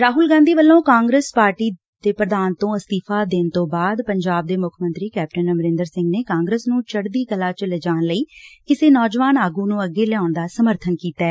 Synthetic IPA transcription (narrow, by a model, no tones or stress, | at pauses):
ɾaːɦʊlɡãːnd̪iːʋəlːõːkãːŋɡɾəspaːɾʈiː | d̪̥eːpɾəd̪aːnt̪õːəst̪iːpʰaːd̪eːnt̪õːbaːd̪pəɲd͡ʒaːb̚d̪eːmʊkʰmə̃nt̪ɾiːkɛːp̚ʈənəmɾɪ̃nd̪əɾsɪ̃ŋɡneːkãːŋɡɾəsnũːt͡ʃəɽd̪iːkəlaːt͡ʃələd͡ʒaːnləiːkɪseːnɔːd͡ʒʋaːnaːɡuːnũːəɡeːlɛaːɳd̪aːsəməɾt̪ʰənkiːt̪aɛː